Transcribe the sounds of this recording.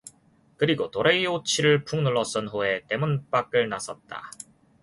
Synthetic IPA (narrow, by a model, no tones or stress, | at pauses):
kɯɾiɡotoɾeiot͡ɕʰiɾɯɭpʰuŋnɯɭːʌs͈ɯnɸoe̞t͈e̞munp͈ak͈ɯɭnasʰʌt̚t͈a̰